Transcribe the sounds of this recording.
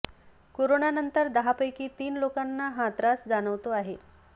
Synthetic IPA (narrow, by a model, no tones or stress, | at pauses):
koɾoɳanənt̪əɾd̪əɦapəjkiːt̪iːnlokanːaɦat̪ɾasd͡zaɽ̃əʋt̪oaɦe